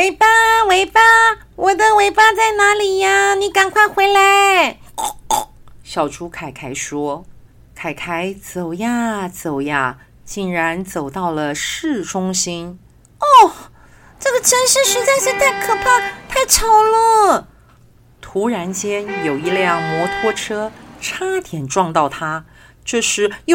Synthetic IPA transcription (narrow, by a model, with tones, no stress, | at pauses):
we˧˥ɪpa˥we˧˥ɪpa˥ | wʔɔ˨˩d̪ə˧we˧˥ɪpa˥t͡sa˥˩ɪna˧˥li˨˩ja˧ni˧˥ka˨˩nkʰwa˥˩ɪxwe˧˥ɪla˧˥ɪ | ɕjɑ˨˩ʊʈ͡ʂʰu˥kʰa˨˩ɪkʰa˧˥˩ɪʂwɔ˥ | kʰa˨˩ɪkʰa˧˥ɪt͡so˨˩ʊja˥˩t͡so˨˩ʊja˥˧ | t͡ɕi˥˩nɻa˧˥nt͡so˨˩ʊt̪ɑ˥˩ʊlə˩ʂɻ̩˥˩ʈ͡ʂʊ˥ŋɕi˥n | ɔ˥˩ | ʈ͡ʂɤ˥˩ɡə˩ʈ͡ʂʰə˧˥nʂɻ̩˥˧ʂɻ̩˧˥t͡sa˥˧ɪʂ̩˥˧t̪a˥˩ɪkʰɤ˨˩pʰa˥˧t̪ʰa˥˧ɪʈ͡ʂʰɑ˨˥˩ʊlə˥˧˩ | t̪ʰu˧˥ɻa˧˥nt͡ɕjɛ˥njo˨˩ʊi˥˧ljjɑ˥˩ŋmwɔ˧˥t̪ʰwɔ˥˩ʈ͡ʂʰɤ˥ʈ͡ʂʰa˥t̪ʰjɛ˨˩nʈ͡ʂwɑ˥˧ŋt̪ɑ˥˩ʊt̪ʰa˥ | t͡ɕjo˥˧ʊʂɻ̩˥˩jo˥˧